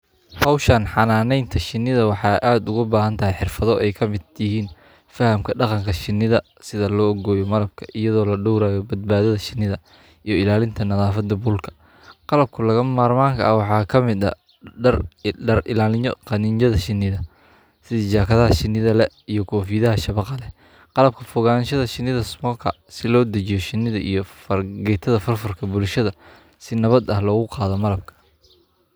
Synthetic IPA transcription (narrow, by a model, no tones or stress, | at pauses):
hɔwʃɐnħɑnaːnɛjnt̪ʰɐʃɪnːɪðɐwɑħɑːʔaːd̪ʊɣʊbaːɦɐnt̪ʰɐɦɛjħɪrfɐðɔʔɛjkʰɐmɪd̪jɪɦiːn | fɐhɐmkʰɐɖɑqɑŋkʰɐʃɪnːɪðɐ | sɪðɐlɔːʔɔɣɔːjɔmɐlɐb̚kʰɐ̥ʔɪjɐðɔːlɐɖɔwɾaːjɔbɐd̪̚baːðɐðɐʃɪnːɪðɐ | ijɔɪlaːlɪnt̪ʰɐnɐðaːfɐd̪ɐbulkʰɐ̥ | qɑlɐb̚kʰʊlɐɣɐmaːrmaːŋkʰɐɐwɑħɑːkʰɐmɪd̪ɐ̰ | rɖɐrʔɪlaːlɪ̰qɑnɪnt͡ʃɐðɐʃɪnːɪðɐ | sɪðɪt͡ʃaːkʰɐðɐɦɐʃɪnɪðɐlɛ | ijɞkʰɔːfiːðɐɦɐʃɐβɑqɑlɛ | qɑlɐb̚kʰɐfɔɣaːnʃɐðɐʃɪnːɪðɐsmɔːkʰɐ | sɪlɔːd̪ɐt͡ʃɪjɔʃɪnːɪðɐʔijɞfɐrɡɛt̪ʰɐðɐfɐrfɐrkʰɐbʊlʃɐðɐ | sɪnɐβɐd̪ɐhlɔːɣʊqɑːðɔmɐlɐb̚kʰɐ̥